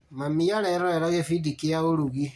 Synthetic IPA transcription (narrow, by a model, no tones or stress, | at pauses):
mamijaɾɛɾɔɛɾaɣefidikijaoɾuɣi